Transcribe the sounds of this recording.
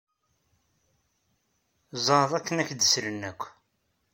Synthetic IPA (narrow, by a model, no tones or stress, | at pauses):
zˤɑɾðˤækːənæçd̪əsɾənːækʷː